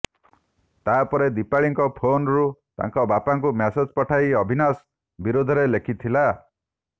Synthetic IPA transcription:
t̪apɔɾed̪ipaɭiŋkɔpʰonɾut̪a̰ŋkɔbapaŋk̬umased͡ʒpɔʈʰaiɔbʱinas | biɾod̪ʱɔɾelekʰit̪ʰila

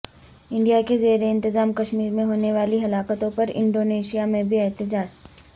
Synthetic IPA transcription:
ɪ̃ɳɖijakezeːɾeɪ̃nt̪ɪzaːmkɐʃmiːɾmẽɦoːneʋaːliɦɐlaːkət̪õpɐɾɪ̰̃ɳɖoːneːʃijamẽbʱiɛɦt̪ɪd͡ʒaːd͡ʒ

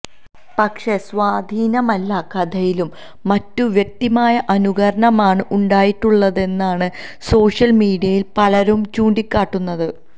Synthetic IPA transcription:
pɐkʂe̞sʋaːd̪ʱiːnɐmɐlːakɐd̪ʱɐjilumː | ɐtːuʋjek̚t̪imaːjɐʔɐnuɡɐɾɐɳɐmaːɳɨʔuɳɖaːjiʈːuɭːɐðe̞nːaːɳɨ | so̞ːʂjɐlmiːɖijɐjilpɐlɐɾumt͡ɕuːɳɖikʲːaːʈːunːɐðɨ

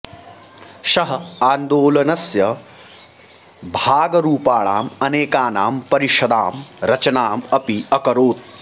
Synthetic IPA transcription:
ʃɐɦɐaːnd̪oːlɐnɐsjɐ | bʱaːɡɐɾuːpaːɭa̰ːmɐneːkaːnaːmpɐɾiʃɐd̪aːmɾɐt͡ʃɐnaːmɐpiɐkɐɾoːt̪̚

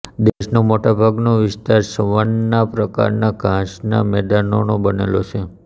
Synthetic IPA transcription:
d̪eʃnomoʈabʱaɡnoʋɪst̪aɾsəʋənːapɾəka̰ɾnaɡʱãʃna̰mɛd̪anonobənḛlot͡ʃʰe

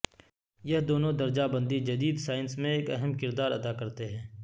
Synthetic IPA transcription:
jɐɦd̪oːnõd̪ɐɾd͡ʒabɐ̃nd̪id͡ʒɐd̪iːd̪saːɪnsmẽeːkɐɦəmkɪɾd̪aːɾɐd̪akɐɾt̪eɦɛ̃ː

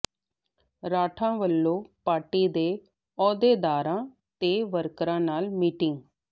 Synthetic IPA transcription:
ɾaːʈʰãːʋəlːõːpaːɾʈiːd̪eː | ɔːd̪eːd̪aːɾãː | t̪eːʋəɾkɾãːnaːlmiːʈɪŋɡ

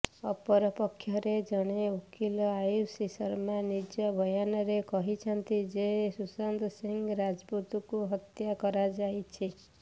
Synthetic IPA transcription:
ɔpɔɾɔpɔkʰːjɔɾed͡ʒɔɽ̃eukʰilɔajusisɔɾmanid͡ʒɔbʱɔjanɔɾekɔɦit͡ʃʰɔnt̪id͡ʒesusand̪ɔsiŋɡɾad͡ʒput̪ukuɦɔt̪jakɔɾad͡ʒajt͡ʃʰi

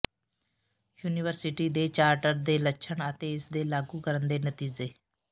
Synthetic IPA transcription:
juːniʋəɾsɪʈiːd̪eːt͡ʃaːɾʈəɾd̪eːlətːʃʰəɳət̪eːɪsd̪eːlaːɡuːkəɾənd̪eːnət̪iːd͡ʒeː

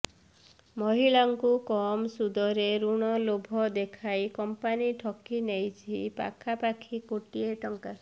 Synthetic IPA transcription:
mɔɦiɭaŋkukɔmsud̪ɔɾeɾuɽ̃ɔlobʱɔd̪ekʰajkɔmpaniʈʰɔkinejt͡ʃʰipa̰kʰapakʰikoʈieʈɔŋka

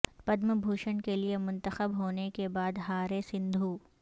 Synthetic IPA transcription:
pɐd̪məbʱuːʃənkeliemʊ̃nt̪əxəbɦoːnekebaːd̪ɦaːɾesɪ̃nd̪ʱuː

